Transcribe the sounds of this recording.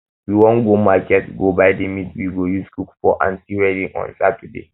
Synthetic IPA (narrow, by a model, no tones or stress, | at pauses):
wiwɔ̃nɡomakɛtɡobajdemitwiɡojuskukfɔʔã̰nsiɹɛdĩŋɔ̰̃nsatɛdḛ